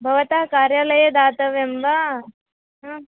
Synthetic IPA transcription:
bʱɐʋɐt̪aɐkaːɾjalɐjɐd̪aːt̪ɐʋemʋa | ɦ

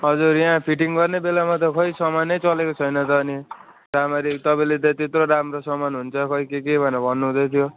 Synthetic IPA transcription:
ɦʌd͡zuɾjapʰiʈiŋɡʌrnebelamat̪̬ʌkʰʌisʌmanʌjt͡sʌlekot͡sʰʌjnʌt̪ʌːni | ɾamaɾit̪ʌpaĩlet̪ʌt̪et̪roɾamrosʌmanɦunt͡sʰʌkʌikekebʱʌnʌbʱʌnːuɦũd̪ʌjt̪ʰjo

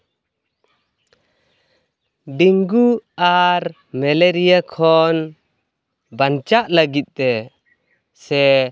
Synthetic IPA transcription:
ɖiŋɡuaɾ | mɛleɾijakʰɔn | bant͡ʃaʔləɡit̪̚t̪ɛ | sɛ

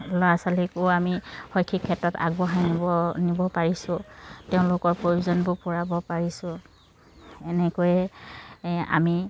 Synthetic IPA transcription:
lɔasalikʊamihɔjkʰːikʰːɛtɔta̰ɡbɔɦaniɔnibɔpaɹisʊ̃teʊ̃lʊkɔɹpɹojuzɔnbʊpʊɹabɔpaɹisʊ̃ | ɛnɛkojɛ | a̰mi

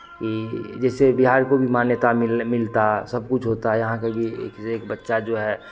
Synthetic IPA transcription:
kid͡ʒɛːsebɪɦaːɾkobʱimaːnjət̪aɪmɪlt̪asɐb̚kʊt͡ʃʰɦoːt̪aɦɛjɐɦãkebʱiḛːkeːkbətːʃad͡ʒoːɦɛː

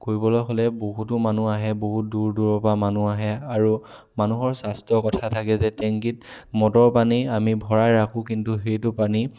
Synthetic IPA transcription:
koɹibɔlɔjxolɛboɦut̬ʊmanuaɦɛboɦut̚duɹduɹɔpamanuaɦɛaɹu | manuɦɔɹsastɔkɔtʰatʰakɛzɛtɛŋkit̚mɔtɔɹpaniamibʱɔɹajɹakʊ̃kintuxejtʊpani

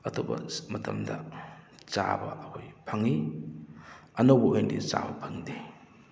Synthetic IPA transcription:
ɐtʰobɐmɐtʰɐmdɐ | t͡ʃabɐɐhojpʰaŋi | ɐnowbɐʔojndit͡ʃa̰bɐpʰaŋde

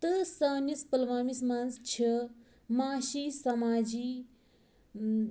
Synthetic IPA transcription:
t̪ɨsɐːnispəlʋaːmismanst͡ʃʰi | maːʃisɐmaːd͡ʒi

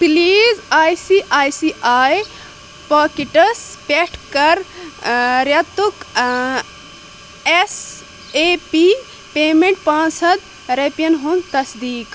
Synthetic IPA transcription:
pliːzaːjsiːʔaːjsiʔaːj | paːkiʈɐspʲeʈʰkɐɾ | ɾɐt̪uk | es | eːpiː | peːmeɳʈ̚pãːsɐd̪ | ɾepjɐnɦunt̪ɐsd̪iːk

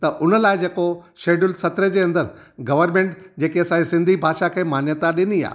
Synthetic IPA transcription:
t̪ɐʔʊnəlaːɪd͡ʑeːkoʃeːɖʊlsɐt̪ɾed͡ʑeːɐ̃nd̪əɾɡɐʋəɾmẽːɳʈd͡ʑeːkeɐsãesɪ̃nd̪ʱibʱaːʃakʰeːmaːnjət̪aɗɪnia̰ː

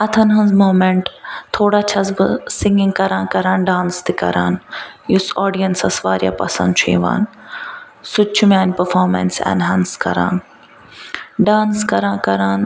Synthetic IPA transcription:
ɐt̪ʰɐnɦɐ̃nzmoːmẽɳʈt̪ʰoːɽaːt͡ʃʰɐs̬bɨsɪ̃ŋɡĩŋkɐɾãːkɐɾãːnɖãːnst̪ikɐ̰ɾa̰ːnjusɔːɖijɐnsɐsʋaːɾja̰ːpɐ̰sɐ̰nd̪̚t͡ʃʰḛ̃ːʋa̰ːn | sʊt͡ʃʰumaːnʲpɐɾfɔːɾmḛnsɛ̰nɦãːnskɐ̰ɾa̰ːn | ɖaːnskɐɾãːkɐɾãːn

